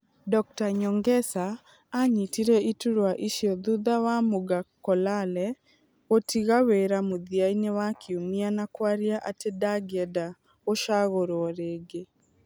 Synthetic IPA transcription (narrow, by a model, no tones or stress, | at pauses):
dɔk̚taɲɔŋɡɛsaː | ɲitiɾeʔituɾwaʔiʃiɔðuðawamoɡakɔlalɛ | otʰiɣaweɾamuðiainewakʰiumianakwaɾjaʔatedaɡɛda | oʃaɣoɾoɔɾeɡe